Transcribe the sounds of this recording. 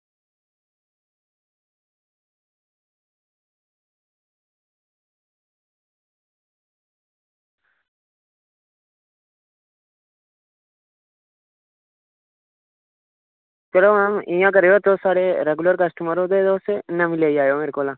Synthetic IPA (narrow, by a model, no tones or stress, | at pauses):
t͡ʃeloamɪ̃jãːkəɾejoːt̪oːsaːɽeɾeɡʊləɾkəsʈəməɾõːd̪eːd̪oːsenəmɪleːiaːjoːmeɾkoːlãː